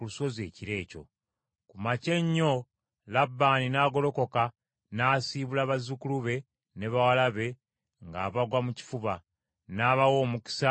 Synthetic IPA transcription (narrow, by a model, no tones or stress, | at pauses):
uluso̞ze̞ːciɾe̞ːco̞̰ | kumace̞ɲːo̞ | labːaːninaːɡo̞lo̞ko̞ka | naːsiːβulaβazukuluβe̞ | ne̞βawalaβe̞ | ŋɡa̰ːβaɡwamuci̥fuβa | naːβawo̞ːmuki̥sa